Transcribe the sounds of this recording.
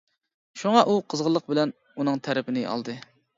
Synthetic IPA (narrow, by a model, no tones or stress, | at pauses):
ʃuŋɑʔuqʰəzʁəlˠːəq̚bɪlɛn | unɨŋt̪ʰæɾɪpʰɪnɪɑ̰lˠd̪ɨ